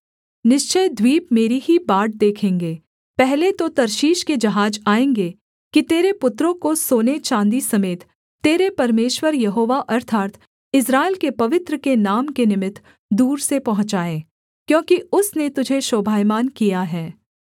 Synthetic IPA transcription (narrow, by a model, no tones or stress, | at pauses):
nɪʃt͡ʃəjd̪wiːpmeːɾiɦibaːɖ̚d̪eːkʰẽːŋɡeː | pɛɦlet̪ot̪ɐɾʃiːʃked͡ʒɐɦaːd͡ʒaːẽːŋɡe | kit̪eːɾepʊt̪ɾõkosoːnet͡ʃãːnd̪isɐmeːt̪ː | eːɾepɐɾmeːʃwəɾjɐɦoːʋaʔɐɾt̪ʰaːɾt̪ʰ | ɪs̬ɾaːeɪlkepɐʋɪt̪ɾəkenaːmkenɪmɪt̪ʰ | d̪uːɾsepɐɦʊ̃t͡ʃaːẽː | kjõːkiʊsnet̪ʊd͡ʒʱeʃoːbʱaːjmaːnkijaɦɛː